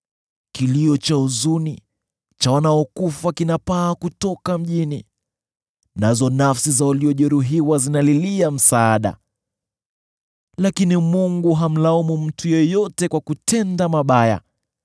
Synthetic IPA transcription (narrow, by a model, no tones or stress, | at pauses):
kiliɔt͡ʃauzuni | t͡ʃawanaɔkufakinapaːkutɔkam̩ʄini | nazɔnafsizawaliɔʄɛɾuɦiwazinaliliam̩saːɗa̰ | lakinimuŋɡuɦam̩laumum̩tʰujɛjɔtɛkwakutʰɛndamaɓaja̰